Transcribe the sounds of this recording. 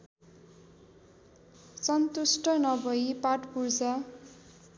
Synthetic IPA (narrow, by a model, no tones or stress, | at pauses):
sʌnt̪usʈʌnʌbʌipaʈpurd͡za